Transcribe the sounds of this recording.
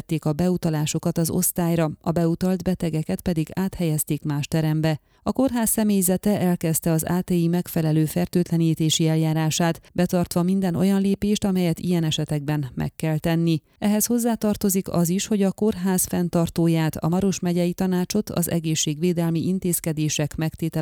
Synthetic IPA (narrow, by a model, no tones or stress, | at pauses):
t̪ːeːkɒbɛut̪ɒlaːʃo̞kɒt̪ɒzo̞̰st̪aːjɾɒɒbɛut̪ɒld̪bɛt̪ɛɡɛkɛt̪pɛd̪iɡaːt̪hɛjɛst̪eːkmaːʃt̪ɛɾɛmbɛ | ɒko̞rɦaːsːɛmeːjzɛt̪ɛʔɛlkɛst̪ɛɒza̰ːt̪eːimɛkfɛlɛløːfɛrt̪øːt̪lɛniːt̪eːʃiɛljaːɾaːʃaːt̪bɛt̪ɒrt̪ʋɒmind̪ɛnʔo̞̰jɒnleːpeːʃt̪ɒmɛjɛt̪ḭjɛnɛʃɛt̪ɛɡ̚bɛnmɛ̰kːɛlt̪ɛnːi | ɛɦɛsho̞zːaːt̪ɒrt̪o̞zikɒ̰ziʃho̞ɟɒko̞rɦaːsfɛnt̪ɒrt̪oːjaːt̪ʰɒ̰mɒɾo̞ʃmɛɟɛjit̪ɒnaːt͡ʃo̞t̪ʰɒ̰zɛ̰ɡeːʃːeːɡʋeːd̪ɛlmiʔint̪eːskɛd̪eːʃɛkmɛkt̪eːt̪ɛ